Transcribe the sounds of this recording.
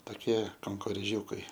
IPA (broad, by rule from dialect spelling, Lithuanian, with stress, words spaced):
tɐˈkʲiɛ kɐŋkoːrʲeːˈʒʲuːkɐɪ